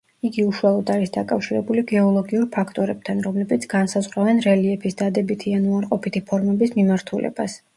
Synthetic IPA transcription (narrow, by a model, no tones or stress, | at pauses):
iɡiuʃualˠɔd̪aɾisd̪akʼafʃiɾɛbuliɡɛɔlˠɔɡiuɾpʰakʰt̪ʼɔɾɛb̥̚t̪ʰanɾɔmlɛbit̪sʰɡansazʁɾavɛnɾɛliɛpʰisd̪ad̪ɛbit̪ʰianuaɾqʼɔpʰit̪ʰipʰɔɾmɛbismimaɾt̪ʰulɛ̰ba̰s